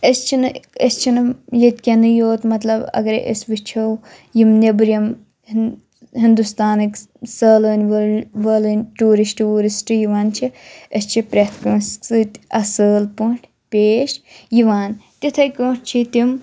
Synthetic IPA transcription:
əst͡ʃʰinɨɐst͡ʃʰinɨjet̪ʲkʲenɨjoːt̪mɐt̪lɐbɐ̰ɡɐɾ̰ʔḛsʋɨt͡ʃʰɐw | jimnebɾʲjɐm | ɦind̪ust̪aːnɨkʲ | səːləːnʲʋɐʋɐːlɨnʲʈuːɾisʈuːɾisʈɨjiʋaːnt͡ʃʰiəst͡ʃʰipɾʲet̪ʰkɐːnsksɨt̪ʲɐsəːlpuɳʈʰ | pʲeːʃjiʋaːnt̪it̪ʰɐjkõːʈt͡ʃʰit̪im

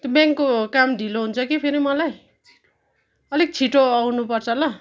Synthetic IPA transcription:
t̪jobjaŋkːokamd̪ʱiloɦunt͡sʰʌkipʰeɾimʌlaj | ʌlek̚t͡sʰiʈoawnupʌrt͡sʰʌlʌ

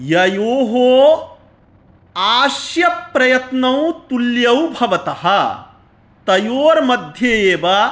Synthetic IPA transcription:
jɐjoːɦoː | aːsjɐpːɾɐjɐt̪nɐw̃t̪uljɐwbʱɐʋɐt̪ɐɦɐ | t̪ɐjoːɾmɐd̪ʱjeeːʋɐ

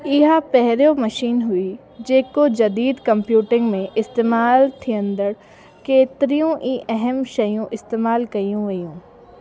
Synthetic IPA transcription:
ɪɦapɛɦɾomɐʃiːnɦʊi | d͡ʒeːkod͡ʒɐd̪iːd̪kɐmpjuːʈɪ̃ŋɡmẽʔɪst̪eːmaːlt̪ʰiə̃nd̪əɽ | keːt̪ɾijõʔiʔɛɦɛmʃɐjõʔɪst̪eːmaːlkɐiũʋɐjũː

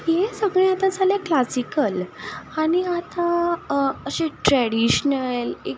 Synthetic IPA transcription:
jesəɡɭẽat̪ad͡zʱalaklasikəlaɽñiat̪a | əɕeʈɾɛɽiɕnəle

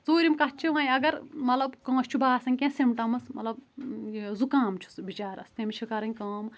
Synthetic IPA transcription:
zoːɾimkɐtt͡ʃʰiʋãːjɐɡɐɾmɐt̪lɐbkɐ̃ːsʲt͡ʃʰubaːsɐnʲkʲẽːsimʈɐmɐsmɐt̪lɐb | zukãːmt͡ʃʰu̥sbit͡ʃaːɾɐ̰st̪emt͡ʃʰikɐɾɐnʲkɐːm

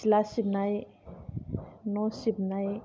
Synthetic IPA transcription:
lasibnaj | nosibnaj

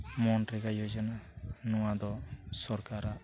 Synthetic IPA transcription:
mɔnɾɛɡajod͡ʒɔnanɔwad̪ɔsɔɾkaɾaʔ

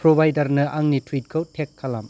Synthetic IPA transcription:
pɾobʱajdɐɾnɐʔaŋnitʰuit̚kʰɐwtʰekʰːala̰m

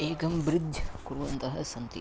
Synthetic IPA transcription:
eːkɐmbɾɪd̪ʱjkuɾʋɐnt̪ɐɦɐsɐnt̪ḭ

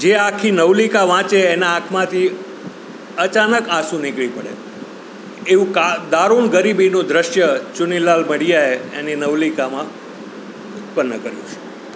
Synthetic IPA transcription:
d͡ʒeakʰinəʋlikaʋãt͡ʃeːnaːkʰmãt̪ʰi | ət͡ʃanəkasũnɪkɭipəɽḛ | eʋũkad̪aɾuɳɡəɾibinud̪ɾəʃjət͡ʃʊnilalməɽijaeeninəʋlikamã | ʊt̪̚pənːəkəɾjṵ̃t͡ʃʰe̥

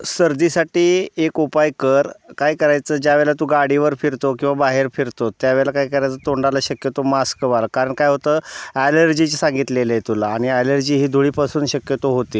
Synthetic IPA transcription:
səɾd̪iːsaʈiːekupajkəɾkajkəɾajt͡səːd͡ʑaʋɛɭlat̪uːɡaɽiʋəɾfiɾt̪okĩʋabaɦeɾfiɾt̪ot̪jaʋelakaikəɾajt͡sət̪oɳɖalaɕəkjət̪omaskəʋalkaɾəɳkajɦot̪əːæləɾd͡ʑit͡ɕsãŋɡit̪lelejt̪ulaːɽ̃iɛləɾd͡ʑiːɦiːd̪ʱuɭiːpasuːnɕəkjət̪oɦot̪iː

